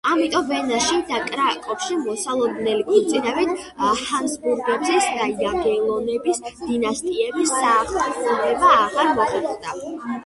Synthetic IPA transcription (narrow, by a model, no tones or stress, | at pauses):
amit̪ʼɔmvɛnaʃid̪akʼɾakʼɔpʃimɔsalˠɔd̪nɛlikʼuɾt̪sʼinavit̪ʰ | hansbuɾɡɛbzɛsd̪aiaɡɛlˠɔnɛbisd̪̥inast̪ʼiɛbisːaːχaχʼuɾbɛbaːʁaɾmɔχɛt̪χd̪a